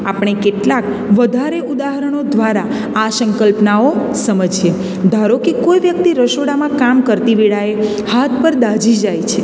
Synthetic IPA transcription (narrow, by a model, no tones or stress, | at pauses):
apɳ̃ekeʈlak | ʋəd̪ʱaɾeud̪aɦəɾəɳ̃od̪ʋaɾa | asəŋkəlpnao | səməd͡ʒje | d̪ʱaɾokikojʋjək̚t̪iɾəʃoɽamãkamkəɾt̪iʋiɭae | hat̪̚ʰpəɾd̪ad͡ʒid͡ʒajt͡ʃʰe